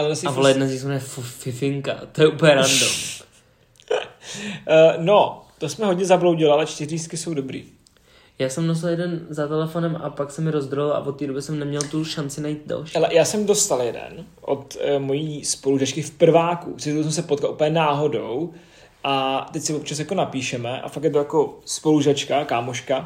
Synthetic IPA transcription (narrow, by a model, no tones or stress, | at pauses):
alɛnasavolajɛdnazɲismɛfufɪfɪŋka̰t̪ojɛʔuplɲɛɾando̰m | not̪osmɛɦodɲɛzablowɟɪlɪalɛt͡ʃt̪ɪrist̪kɪso̞wdo̞bɾḭː | jaːsɛmnos̬ɪljɛdɛnzat̪ɛlɛfo̞nɛmʔa̰paksɛmːɪɾozd̪ɾolɪlʔa̰vot̪ːiːdo̞bɪsɛmnɛmɲɛlt̪uʃant͡sɪnajiːt̪̚da̰lʃhalɛjaːsɛmdo̞st̪aljɛdɛ̰n | ʔo̰t̪mo̞jiːspo̞luʒat͡ʃkɪfpr̩vaːkṵ̥ɪus̬ɛmsɛpot̪̚kalʔupəɲɛnaːɦo̞do̞w | ʔat̪ɛcsɪvop̚t͡ʃas̬jako̞napiːʃɛmɛʔa̰fakjɛt̪ojako̞spo̞luʒat͡ʃkakaːmoʃka